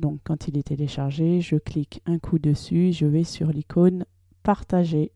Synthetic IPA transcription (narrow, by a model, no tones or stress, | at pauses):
d̪ɔ̃kːɑ̃t̪ʰilɛt̪eleʃaʁʒeʒəklikʰɛ̃kʰud̪əsyeʒəvɛsyʁlikʰon | paʁt̪aʒe